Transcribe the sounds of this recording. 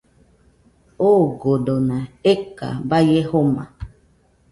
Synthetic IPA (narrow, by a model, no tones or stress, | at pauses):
oɡodonãeka̰bajehomã̰